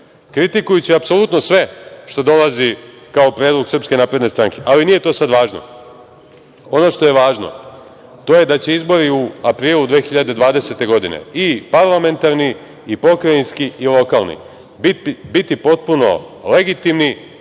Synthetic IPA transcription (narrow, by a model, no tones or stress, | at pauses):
kɾit̪ikujut͡ɕiapso̞lut̪no̞sʋe̞ʃt̪o̞d̪o̞lˠazikao̞pɾed̪lˠoɡsrpske̞naːpɾe̞d̪nest̪ɾaŋke̞ʔalinije̞t̪o̞ːsad̪ʋaːʒno̰ | o̞no̞ʃt̪o̞je̞ʋaːʒno̰ | t̪o̞ːje̞d̪at͡ɕe̞izbo̞ɾiuapɾiːlˠud̪ʋe̞ːxiʎad̪e̞d̪ʋaːd̪e̞set̪e̞ɡo̞d̪inḛipaɾlˠame̞nt̪aɾniː | po̞kɾainskiʔilˠo̞kalˠnḭ | bitbit̪ipo̞t̪̚puno̞̰leɡit̪imni